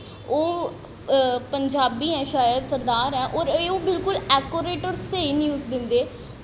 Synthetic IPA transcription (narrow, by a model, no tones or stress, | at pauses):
oː | pəɲd͡ʒaːbiːɦɛ̃ːʃaːjəd̪səɾd̪aːɾɦɛ̃ːʔɔːɾeːoːbɪlkʊlɛːkoːɾeːʈɔːɾseːinjuːzd̪ɪnd̪eː